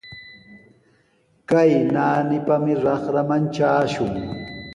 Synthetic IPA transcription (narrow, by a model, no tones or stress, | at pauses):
kajnaːnɪpamɪɾɑχɾamant͡ʃaːʃʊŋ